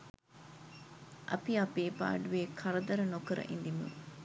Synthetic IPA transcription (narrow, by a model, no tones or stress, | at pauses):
ʔɐ̰piɐpeːpa̰ːɖuʋeːkʰɐɾɐd̪ɐɾɐnokɐɾɐ̰ʔind̪imṵ